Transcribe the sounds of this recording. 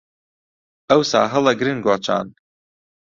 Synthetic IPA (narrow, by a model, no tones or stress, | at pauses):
ɐwsaːɦɐlˠɐɡɾɨnɡot͡ʃʰa̰ːn